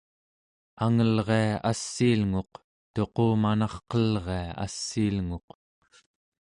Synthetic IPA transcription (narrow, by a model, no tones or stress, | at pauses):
aŋəlʁe̞aasːiːlŋo̞q | t̪o̞qoːmanɑχqʌlʁe̞aa̰sːiːlŋo̞q